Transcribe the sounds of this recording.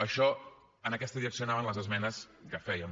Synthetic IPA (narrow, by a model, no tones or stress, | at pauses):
əʃɔ | ənəkɛst̪əðiɾəksionaβənləzəzmɛnəskəfɛjəm